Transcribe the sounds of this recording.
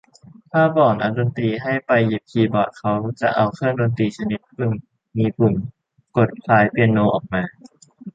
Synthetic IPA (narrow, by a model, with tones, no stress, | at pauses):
t̪ʰaː˥˩pɔː˨˩nʔa˧˩do˧nt̪iː˧ɦa˥˩jpa˧jːi˨˩p̚kʰiː˧bɔː˨˩t̪̚kʰa˦˥wt͡ɕa̰˨˩ʔa˧wkʰɯː˥˩ndoː˧nt̪iː˧t͡ɕʰa˧ni˦˥t̪̚kʰɯ˧˩n | miː˧pʰu˨˩n | ko˨˩t̪̚kʰlaː˨˦˥jpi˧ənːoː˧ʔɔ̰ː˨˩k̚maː˧